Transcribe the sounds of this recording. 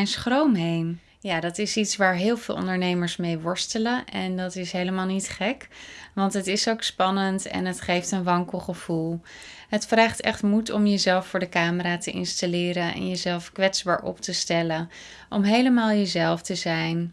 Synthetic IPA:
nsχrowmɦejn | jaːdɑtɪsitsʋaːɹɦɪːlˠvɪːlˠɔ̰̃ndəɹnejməɹsmejʋɔɹstələnʔɛndɑtɪsɦejləmaːlˠnitχɛkʋɑntɦətɪsowkspɑnəntɛ̰nɦətχejftənʋɑŋkəl̩ˠχəv̥ulˠ | ɦətfraːχtɛχtmutɔmjəzɛlˠfːʊːɹdəkaːməɾaːtəʔɪ̰nstalɪːɾənɛ̰njəzɛlˠfkʋɛtzbaːɹʔɔ̰ptəstɛlən | ʔɔmɦejləmaːlˠjəzɛlˠftəzɛjn

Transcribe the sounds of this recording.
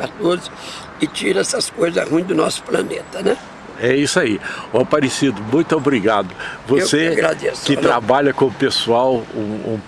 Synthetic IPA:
at̪oz | ɪt͡ʃiɾɐɛsɐskojzɐʁũj̃d̪ʊnɔsʊ̥plɐnḛt̪ɐnɛ | ɛisʊaiɛpaɾɪsid̪ʊmũj̃t̪ʊobɾiɡad̪ʊvowseaaɡɾad̪eskɪt̪ɾabaʎɐkõmʊpesuawũṵ̃

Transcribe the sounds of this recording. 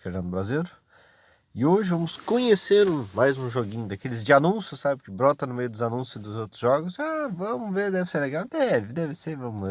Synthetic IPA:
feɾnɐ̃nd̪ʊbɾazeɾʊ | ɪoʒɪvɐ̃mʊskõɲeseɾũmajzũʒoɡĩɲʊd̪akelɪzd͡ʒɪanũsjʊsabɪʊkɪbɾɔt̪ɐ̃nʊmejʊd̪ʊzanũsʊzd̪ʊzowt̪ɾʊ̥zʒɔɡʊsavɐ̃mʊveɾd̪ɛvɪseɾleɡawd̪ɛvɪd̪ɛvɪseɾvɐ̃mʊ

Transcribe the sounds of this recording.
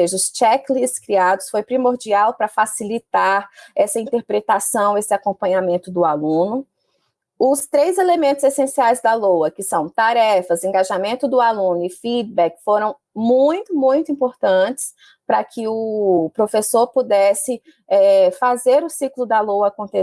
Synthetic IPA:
eʒɐʊst͡ʃɛklisskɾiad̪ʊsfojpɾimoɾd͡ʒiawpɾɐfasilit̪aɾɛsɐĩnt̪eɾpɾet̪asɐ̃w̃esɪakõpɐ̃ɲamẽnt̪ʊd̪ʊalũnʊ | ʊst̪ɾejzelemẽnt̪ʊzesẽsiajzd̪ɐlowɐkɪsɐ̃w̃t̪aɾɛfɐzẽŋɡaʒamẽnt̪ʊd̪ʊalũnʊɪfid̪bɛkfoɾɐ̃w̃ | mũj̃t̪ʊmũj̃t̪ʊĩpoɾt̪ɐ̃t͡ʃɪ̥s | pɾɐkʰɪʊpɾofesoɾpud̪ɛsɪ | ɛfazeɾʊsiklʊd̪ɐlowɐːkõnt̪e

